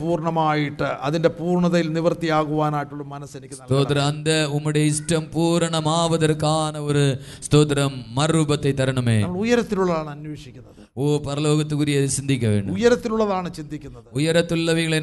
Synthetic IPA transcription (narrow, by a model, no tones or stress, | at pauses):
puːrɳɐmaːjiʈːɨʔɐðinde̞puːrɳɐðɐjilniʋɐrt̪ijaːɣuʋaːnaːjiʈːuɭːɐmɐnɐsenikʲːɐsnɐt̪oːt̪ɾɐmɐnd̪ɐumːiɽeisʈɐmpuːɾɐɳɐmaːʋɐðɐɾkːaːnɐoɾust̪oːt̪ɾɐmːɐrubɐt̪ːet̪ːɐɾɐɳumeːɐmːɐɭujɐɾɐt̪ːiluɭːɐðaːɳɨɐnwe̞ːʂikʲːunːɐð | oːpɐɾɐlo̞ːɣɐt̪ːukuːɾijeðt͡ɕind̪ʱikʲːɐʋe̞ːɳɖṵujɐɾɐt̪ːiluɭːɐðaːɳɨt͡ɕind̪ikʲːunːɐɨujɐɾɐt̪ːulːɐʋiɣɐɭen